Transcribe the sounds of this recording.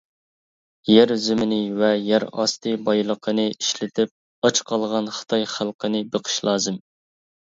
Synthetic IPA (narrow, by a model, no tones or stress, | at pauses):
jæɾzymɪnɪvɛjæɾɑ̰st̪ʰɨbɑjlˠəqʰənɨiʃlɪt̪ʰɪp̚ | ɑt͡ʃqʰɑlˠʁɑnχɨ̥t̪ʰɑjχælˠqʰənɨbəqʰə̥ʃlˠɑːzɨm